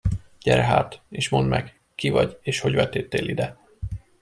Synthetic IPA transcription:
ɟ̥ɛɾɛɦa̰ːt̪eːʃmo̞nd̪mʔɛɡ | kivɒɟeːʃho̞ɟvɛt̪ːeːt̪ːeːlʔid̪ɛ

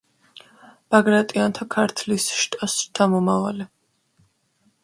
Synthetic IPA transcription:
b̥aɡɾat̪ʼiant̪ʰakʰaɾt̪ʰlisʃt̪ʼasɾt̪ʰamɔmavalɛ

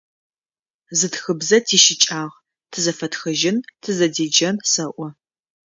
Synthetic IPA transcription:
zɨtxɨbzɐtʰiːʃɪt͡ʃʼaːʁ | tʰɨzɐfɐtxɐʒɪntʰɨzɐdeːd͡ʒɐmsɐʔʷɔ

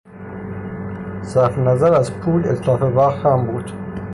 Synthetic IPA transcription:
sæɾfenæzæɾæzpʰuːlet̪ʰlɒːfevæʁt̪hæmbuːd̪̥

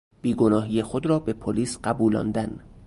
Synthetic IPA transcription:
b̥iːɡonɒːɦiːjexod̪ɾɒːbe̞pʰoliːsɢæbuːlɒ̰ːnd̪æn

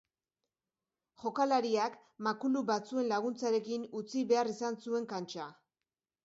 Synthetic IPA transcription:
ʝo̞kalaɾiak | makuluβat͡sue̞nlaɣ̞unt͡saɾe̞kinut͡siβe̞arisansue̞ŋkant͡ʃa

